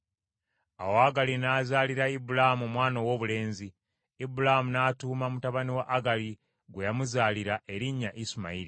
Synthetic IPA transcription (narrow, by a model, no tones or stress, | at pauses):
a̰woaɡalinaːzaːliɾaibulaamuomwaːnowo̞ːβule̞ːnzi | ibulahmunaːtuːmamutaβaniwaʔːɡali | ɡwejamuzaːliɾaʔe̞ɾiɲːaʔisuma̰iɾi